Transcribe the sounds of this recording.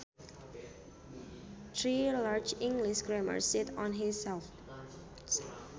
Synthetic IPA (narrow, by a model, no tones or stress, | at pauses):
t̪ʰɹilaɹd͡ʒɪ̃ŋɡlɪʃɡɹɛmə̰ɹsɪtɔ̃nɦĩsɛlf